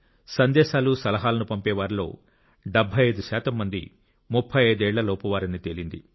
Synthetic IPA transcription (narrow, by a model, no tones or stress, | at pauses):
sɐnd̪ɛːʃaːlusɐlɐɦaːlɐnupɐmpɛːʋaːɾilo̞̰ː | ɖɛbʱːɐjɐjd̪uʃaːt̪ɐmːɐnd̪ḭ | mupʰːɐjɐjd̪uɛːɭːɐloːpɐʋaːɾɐnit̪elind̪ḭ